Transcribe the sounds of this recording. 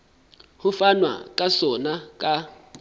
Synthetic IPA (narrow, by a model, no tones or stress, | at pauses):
hufanwa̰kʼasɔnakʼa